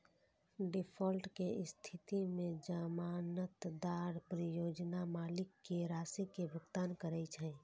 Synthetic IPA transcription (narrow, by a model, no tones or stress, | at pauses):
ɖɪpʰɔːlʈkeɪst̪ʰɪt̪imẽd͡ʒəmaːnət̪d̪aːɾpɾɪjoːd͡ʒnamaːlɪkːeɾaːsikebəɡt̪aːnkəɾəit͡ʃʰɛ̃ː